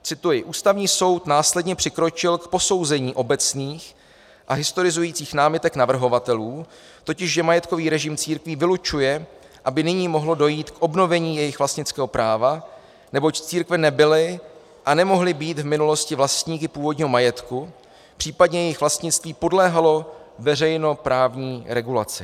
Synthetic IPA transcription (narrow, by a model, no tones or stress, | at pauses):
t͡sɪt̪ujɪʔuːst̪avɲiːso̞wt̪naːslɛdɲɛpr̥ɪkɾo̞t͡ʃɪlkpo̞so̞wzɛɲiːʔo̞bɛt͡sniːx | ʔaɦɪst̪o̞ɾɪzujiːt͡siːxnaːmɪt̪ɛknavr̩ɦo̞vat̪ɛluː | t̪o̞cɪʃʒɛmajɛt̪̚ko̞viːɾɛʒɪmt͡siːɾkviːvɪlut͡ʃujɛ | ʔabɪnɪɲiːmo̞ɦlo̞do̞jiːt̪kʔo̞bno̞vɛɲiːjɛjɪxvlast̪ɲɪt͡skɛːɦo̞pɾʔaːva | nɛbo̞ct͡siːɾkvɛnɛbɪlɪ | ʔanɛmo̞ɦlɪbiːt̪vmɪnulo̞scɪvlast̪ɲiːkɪpuːvo̞dɲiːɦo̞majɛt̪ku | pr̥iːpadɲɛjɛjɪxvlast̪ɲɪt͡sst̪viːpo̞dlɛːɦalo̞vɛr̝ɛjno̞pɾaːvɲiːɾɛɡula̰t͡sɪ